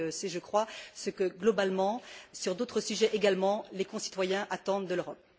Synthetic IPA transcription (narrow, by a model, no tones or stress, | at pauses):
sɛʒəkχwasəkəɡlɔbalmɑ̃syʁd̪ot̪χəsyʒɛʔeɡalmɑ̃lekɔ̃si̥t̪wajɛ̃ʔat̪ɑ̃d̪d̪əløʁɔp̚